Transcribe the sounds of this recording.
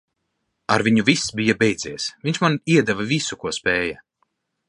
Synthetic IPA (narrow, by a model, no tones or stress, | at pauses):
aɾvʲiɲuvisbijabɛjd̪z̥ʲiɛsvʲiɲʲt͡ʃmaniɛd̪ɛvavisukuɔspʲɛːjɐ